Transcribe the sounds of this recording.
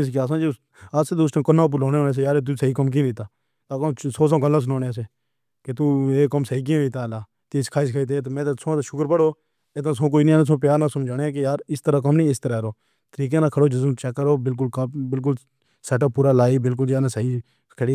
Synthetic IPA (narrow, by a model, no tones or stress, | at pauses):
ɪs̬kːaːsãːd͡ʒi | aːseːd̪uːsʈãːkənãːp̬ʊlõːneːõːneːs̬ejaːɾeːt̪̬uːsəiːkəmk̬ĩːd̪ɪːt̪aː | t̪aːkõːsoːs̬ãːkəlːãːs̬ʊnoːneas̬eː | ket̪uːeːkəmsəiːk̬ĩːɾiːt̪aːlaː | t̪iːskʰaːskʰəiːt̪eːt̪ːmɛ̃ːt̪esõːt̪ːʃʊkəɾpəɽoː | et̪ãːsõːk̬oːiːnĩːaːnẽːs̬õːpjaːɾnãːsəmd͡ʒaːnẽːk̬ejaːɾɪst̪əɾaːk̬əmnĩːɪst̪əɾaːɾoː | t̪əɾiːk̬ẽːnãːkʰəɽoːd͡ʒɪsmt͡ʃɛːkːəɾoːbɪlk̬ʊlkbɪlk̬ʊl | sɛːʈəbpːuːɾaːlaːibɪlk̬ʊld͡ʒjaːnːsəiː | kʰəɽiː